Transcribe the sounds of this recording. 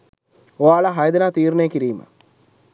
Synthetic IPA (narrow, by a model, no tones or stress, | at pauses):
oaːɭɐɦɐjɐd̪ɐnaːt̪iːrneːkːiɾijumɐ̰